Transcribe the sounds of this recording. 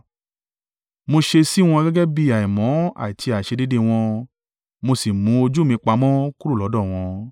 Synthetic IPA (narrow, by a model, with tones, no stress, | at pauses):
mo˧ʃe˧si˦˨w̃ɔ̃˧ɡɛ˦ɡɛ˦bi˧˦a˨i˨mɔ̃˨˦a̰˨ti˧a˨ʃe˧di˦de˦w̃ɔ̃˧ | mo˧si˨mũ˨˦o˧d͡ʒu˦mĩ˧k͡pa˧mɔ̃˦ku˦ɾu˦˨lɔ˨˦dɔ˦˨w̃ɔ̃˧